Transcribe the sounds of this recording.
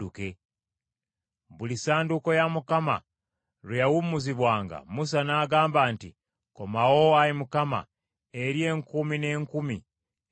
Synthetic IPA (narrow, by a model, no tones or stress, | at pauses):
uke̞ | βulisaːnduko̞jamukama̰ | ɾejawumuziβwaːŋɡa̰mus̬anaːɡaːmbaːnti | ko̞mawoaɾimukama̰ | e̞ɾje̞ːŋkumine̞ːŋkumi